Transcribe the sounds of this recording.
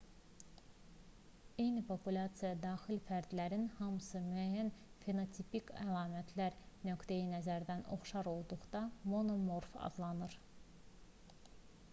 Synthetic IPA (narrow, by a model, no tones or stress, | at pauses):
ejnipʰo̞pulʲɑt̪sijɑd̪ɑːxilfæɾd̪læɾinhɑmɯsɯmyæjːænfe̞not̪ʰipikælˠɑːmæt̪ʰlæɾ | nø̞kt̪ejinæzæɾd̪æno̞̰χʃɑɾo̞lˠd̪uʁd̪ɑmo̞no̞moɾfɑ̰d̪lˠɑnɯɾ